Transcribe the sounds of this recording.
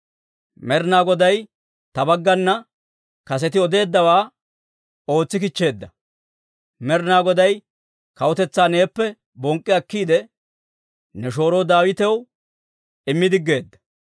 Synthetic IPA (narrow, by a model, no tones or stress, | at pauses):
mɛɾnaːɡɔd̪ɐj | t̪ɐbɐɡːɐnːɐ | kɐs̬ɛt̪ɪɔd̪e̞ːd̪ːɐwaː | o̞ːt͡sːɪkɪt͡ʃːe̞ːd̪ːɐ | mɛɾnaːɡɔd̪ɐj | kɐwɔt̪ɛt͡sːaːne̞ːpːɛ | bɔŋkʼːɪɐkːiːd̪ɛ | nɛʃo̞ːɾoːd̪aːwɪt̪ɛw | ɪmːɪd̪ɪɡːe̞ːd̪ːɐ̥